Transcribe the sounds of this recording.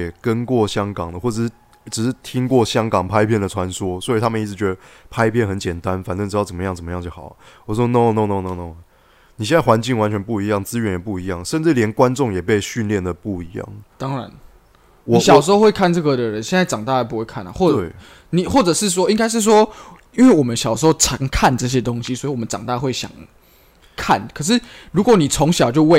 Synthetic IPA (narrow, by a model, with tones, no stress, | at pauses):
ɛ˨˩kə˦nkwɔ˥˩ɕjɑ˥ŋkɑ˨˩ŋd̪ə˩xwɔ˥˩ʈ͡ʂə˨˩ʂɻ̩˥˩ | ʈ͡ʂɻ̩˨˩ʂɻ̩˥˩t̪ʰi˦˥ŋkwɔ˥˩ɕjɑ˥ŋkɑ˨˩ŋpʰa˥ɪpʰjnd̪ə˩ʈ͡ʂʰwa˧˦nswɔ˥swɔ˧˥i˨˩t̪ʰa˥mə˨ni˥˩t͡sɻ̩˧˥t͡ɕɥɛ˧˥d̪ə˧pʰa˥ɪpʰjɛ˥˩nxə˧˦nt͡ɕjɛ˨˩nt̪a˦nfa˨nt̪ə˥ŋʈ͡ʂɻ̩˧jɑ˥˩ə˨˩mə˦jŋt͡sə˨˩mə˦jɑ˥˧ŋt͡ɕjo˥˩xɑ̰˨˩ʊ˨˦wɔ˨˩˥wɔ˥˦no˥˧no˥˧ʊno˥˧no˥˧no˥˩ʊ | ni˨ɕjɛ˥˧na˥˩ɪwa˧˦nt͡ɕi˥˩ŋwa˦˥nt͡ɕʰɥɛ˧˦npu˥˩i˧˥jɑ˥˩ŋt͡sɹ̩˥ɥɛ˧˦njɛ˨˩pu˥˩i˧˦jɑ̰˥˩ŋʂə˥˧nʈ͡ʂɻ̩˥˩ljɛ˧˦˥nkwa˦˥nʈ͡ʂʊ˥˨ŋjɛ˨˩pe˥˧ɪɕy˥˧nljɛ˥˩nd̪ə˩pu˥˩i˧˥˦jɑ̰˥˩ŋt̪ɑ˥ŋɻa̰˧˦n | wɔ˨˩ɕjɑ˨ʊʂ̬̩˧xo˥˧xwe˥˧kʰa˥˧nʈ͡ʂɤ˥˩ɡə˨d̪ə˨˩ɻə˦nɕjnt͡sa˥˩ɪʈ͡ʂɑ˨˩ŋt̪a˥˧a˥˩p̬u˦˥we˥˧kʰa̰˥˩na̰˨˩xwɔ˥˩e˥˩ | ni˨˩xwɔ˥˩ʈ͡ʂɤ˨˩ʂɻ̩˥˩s̬wɔ˥i˥ŋka˥ɪʂ̬̩˥˩s̬wɔ˦ | i˥nwe˥˩ɪwɔ˨˩mə˦nɕjɑ˨˩ʊʂ̩˧˥xo˥˧ʊʈ͡ʂʰɑ˨˧˦ŋkʰa˥˨nʈ͡ʂɤ˥˩ɕ̬jɛ˥t̪o˥ŋɕi˦swɔ˧˥i˨wɔ˨˩ə˦nʈ͡ʂɑ̰˨˩ŋt̪a˥˧xwe˥˩ɪɕjɑ̰˨˩ŋ | kʰa̰˥˨nkʰɤ˨˩ʂ̬ɻ̩˥˩ɻu˧˥kwɔ˧˦ni˨˩t͡sʰo˧˥ŋɕjɑ˨ʊt͡ɕjo˥˧ʊwe˥˨